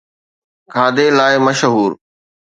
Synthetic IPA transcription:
kʰaːd̪eːlaːɪməʃɦuːɾ

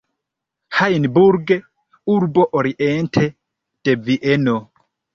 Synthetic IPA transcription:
hajnbuɾɡe | uɾboʔoɾiʔentʰe | d̥eviʔeno

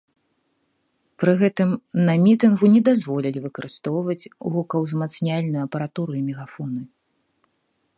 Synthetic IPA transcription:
pɾɨɣɛt̪ɨmnɐmʲit̪ɨnɣunʲɛd̪azvɔlʲilʲivɨkɐɾɨst̪ɔwvɐt͡sʲvukɐwzmat̪snʲalʲnujuɐpɐɾat̪uɾuimʲɛɣafɔnɨ

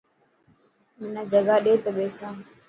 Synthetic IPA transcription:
mɪnãːd͡ʒəɡaːɗeːt̪əɓeːsãː

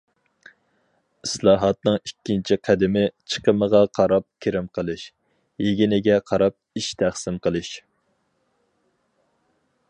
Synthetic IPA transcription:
islˠɑːɦɑt̪nɨŋikʲːint͡ʃʰiqʰæd̪ɪmɪt͡ʃʰə̥qəməʁɑqʰɑɾɑp̚kʲʰeɾɪmqʰəlˠɨʃ | jeɡʲinɪɡʲɛqʰɑɾɑp̚iʃt̪ʰæχsɪmqəlˠɨʃ

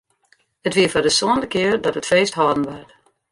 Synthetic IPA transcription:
ətʋiəfɔrdəsɔːəndəkɪərdɔtətfeːstɦɔːdən̩ʋɛrt

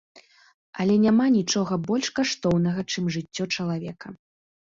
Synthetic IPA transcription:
ɐlʲɛnʲamanʲit͡ʂɔɣɐbɔlʲʂkaʂt̪ɔwnɐɣɐt͡ʂɨmʐɨtt͡sʲːɔt͡ʂɐlˠavʲɛkɐ

